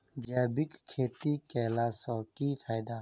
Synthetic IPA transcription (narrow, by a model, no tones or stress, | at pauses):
d͡ʒɛːbikkʰːeːt̪iːkɛːlaːsɔːkiːfʰaːjd̪aː